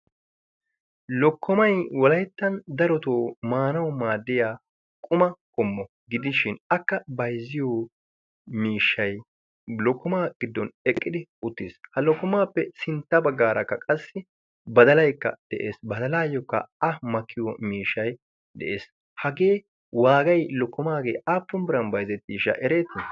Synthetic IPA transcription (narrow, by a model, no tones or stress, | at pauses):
lɔkːɔmɐjwɔlɐjt̪ːɐnd̪ɐɾɔt̪oːmaːnɐwmaːd̪ːɪjaː | kʼʊmɐkʼɔmːɔ | ɡɪd̪ɪʃɪnɐkːɐbɐjzɪjɔ | miːʃːɐj | lɔkːɔmaːɡ̥ɪd̪ːɔnɛkʼːɪd̪ɪʊt̪ːɪshɐlɔkːɔmaːpːɛsɪnt̪ːɐbɐɡːaːɾɐkːɐkʼɐsːɪ | bɐd̪ɐlɐjkːɐ̰d̪̥ɛʔeːsbɐd̪ɐlaːjɔkːɐ̰ɐmɐkʰːɪjɔmiːʃːɐj | d̪ɛ̰ʔeːs | hɐɡe̞ː | waːɡɐjlɔkːɔmaːɡe̞ːʔaːpːʊnbɪɾɐnbɐjzɛt̪ːiːʃɐ̰ʔɛɾe̞ːt̪ːɪn